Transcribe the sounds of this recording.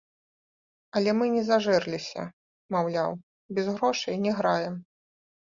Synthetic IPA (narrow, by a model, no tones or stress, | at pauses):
ɐlʲɛmɨnʲɛzaʐɛrlʲisʲɐ̰ | mawlʲa̰w | bʲɛzɣɾɔʂɨjnʲɛɣɾajɛm